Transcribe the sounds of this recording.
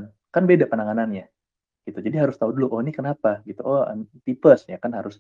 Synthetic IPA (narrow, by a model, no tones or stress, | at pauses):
n | kanbedapənaŋananɲa | ɡ̥it̪ud͡ʒadiɦaɾʊst̪auduluʔonikənapaɡit̪uʔɔə̰nt̪ipəsjakanɦaɾʊs